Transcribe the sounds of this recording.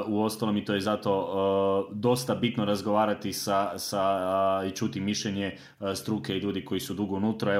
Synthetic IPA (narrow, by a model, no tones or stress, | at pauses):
uo̞st̪alo̞mit̪oje̞zat̪o̞ | d̪o̞st̪abit̪noɾazɡo̞ʋaːɾat̪isasait͡ʃut̪imiʃʎeɲe | st̪ɾuke̞iʎuːd̪iko̞jisud̪uɡounut̪ɾoe